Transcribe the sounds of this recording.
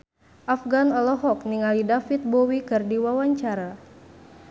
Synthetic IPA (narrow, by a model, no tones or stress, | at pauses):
ʔafɡanɔlɔɦɔk̚niŋalidafit̪̚bɔwikɨrdiwawaɲt͡ʃaɾa